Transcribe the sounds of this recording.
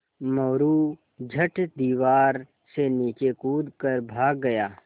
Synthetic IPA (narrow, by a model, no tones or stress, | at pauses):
mɔːɾu | d͡ʒʱəʈd̪iːʋaːɾ | seniːt͡ʃekuːd̪kəɾbʱaːɡːɐjaː